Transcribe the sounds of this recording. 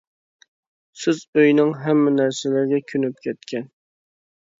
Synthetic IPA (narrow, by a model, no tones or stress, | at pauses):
sɪzøjnɪŋɦɛmːɪnæɾsɪlɪɾɡʲɛkʲʰynyp̚kʲʰɛt̪̚kʲʰɛn